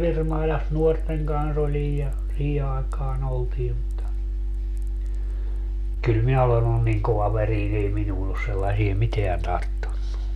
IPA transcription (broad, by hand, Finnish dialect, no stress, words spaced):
ʋirmɑilɑs nuorteŋ kɑns olij jɑ siː ɑekɑːn oltiː mutːɑ kyl minæ olen olːun niŋ koʋɑʋeriːn ei minuːn os selːɑsie miteæn tɑrtːunːu